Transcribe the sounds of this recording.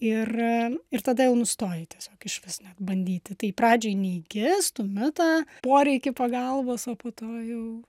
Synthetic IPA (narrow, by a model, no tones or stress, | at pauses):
ɪrɪrt̪ɐd̪ɐjɛʊnʊst̪oːjɪt̪ʲiɛsʲoːkɪʃʲʋʲɪsnʲɛt̪bɐnʲd̪ʲiːt̪ʲɪt̪ɐɪprɑːd͡ʒʲoɪnʲɛːɡʲɪst̪ʊmʲɪt̪ɑːpoːɾʲɛɪkʲɪpɐɡɐlˠboːsoːpoːt̪oːjɛʊ